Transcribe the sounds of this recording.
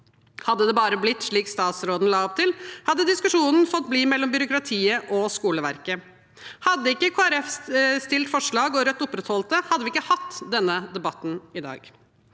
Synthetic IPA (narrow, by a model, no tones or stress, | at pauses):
hɑd̪ːəd̪ɛbɑːɾəblɪt̪ːʂɭiːkst̪ɑːt̪sɾoːd̪n̩lɑːɔp̚t̪ʰɪlhɑd̪ːəd̪ɪskʉʂuːnən̩fɔt̪̚ːbliːmɛlːɔmbʏɾʊkɾɑt̪ʰiːəʔɔskuːləʋæɾkə | hɑd̪ːəɪkːəkʰoːæɾɛfst̪ɪlt̪fɔʂɭɑːɡɔɾœt̪ːʊpɾɛt̪hɔlt̪əhɑd̪ːʋɪɪkːəhɑt̪ːd̪ɛnːəd̪ɛbɑt̪ːn̩ɪd̪ɑ̰ːɡ